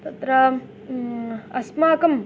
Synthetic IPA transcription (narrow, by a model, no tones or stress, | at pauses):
t̪ɐt̪ɾɐ | ɐsmaːkɐm